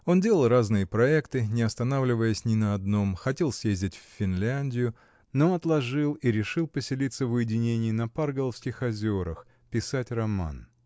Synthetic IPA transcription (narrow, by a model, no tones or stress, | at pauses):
o̞ndʲe̞lˠəlˠraznɨjəpɾɐɛkt̪ɨnʲɪɐst̪ɐnavlʲɪvəjəsʲnʲɪnəɐd̪no̞mxɐtʲe̞lˠsʲjezʲdʲɪtʲfʲfʲɪnlʲænʲdʲɪjʊ | noɐt̪lˠɐʐɨlˠiɾʲɪʂɨlˠpəsʲɪlʲit̪səvʊjɪdʲɪnʲenʲɪjnɐparɡəlˠəfskʲɪxɐzʲoɾəx | pʲɪsatʲrɐma̰n